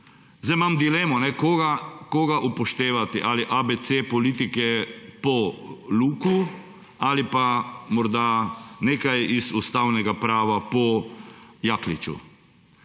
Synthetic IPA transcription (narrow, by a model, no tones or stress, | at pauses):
zajmamd̪ilɛːmɔnɛkoɡakoɡaʔupɔʃt̪eːʋat̪iʔaliʔabet̪sepɔliːt̪ikɛpɔluːku | alipamɔɾd̪aneːkajizust̪awnɛɡapɾaːʋapɔ | jaːklit͡ʃṵ